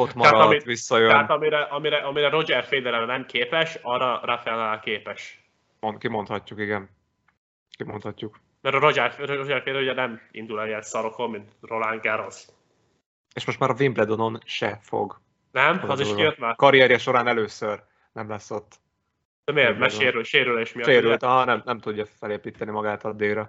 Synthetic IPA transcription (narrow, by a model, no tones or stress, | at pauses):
ot̪mɒaɾt̪ɒmit̪ʋisːɒjøɛnaːt̪ɒmiɾɛʔɒmiɾɛʔɒmiɾɛɾo̞d͡ʒɛrfeːd̪ɛɾɛɾɛnɛmkʰeːpɛʃɒrɒrafɛlaːkeːpɛʃ | onkimo̞nt̪hɒcːukiɡɛn | kimont̪hɒcːuk | mɛɾɾod͡ʒɛrfɾood͡ʒɛrfeːd̪ɛɾuɟɛnɛmḭnd̪ulɛijɛnsɒɾo̞ko̞mːint̪rolaŋɡɛɾos | eːʃmo̞ʃt̪maːɾɒvimplɛd̪ono̞nʃɛ̰fo̰ɡ | nɛmɒziʃkjøt̪makɒɾijɛɾjɛʃo̞ɾaːnɛløːsør | nɛmlɛsːo̞t̪ː | ɛmeːɾmɛʃeːɾylʃeːɾyleːʃmijɒʃeːɾylt̪ɒɦɒnɛmnɛmt̪uɟːɒfɛleːpiːt̪ɛnimɒɡaːt̪ɒd̪eːɾɒ